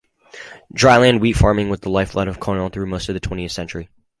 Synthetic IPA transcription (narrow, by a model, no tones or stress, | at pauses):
dɹaɪlæ̃nd̚witfɑɹmɪ̃ŋwəðəlaɪflʌɾʌv̥kʰɔ̃nənθɹʉmoʊstʌvðɨtʰw̥ɛ̃ɾ̃iɨθsɛ̃nt͡ʃə˞i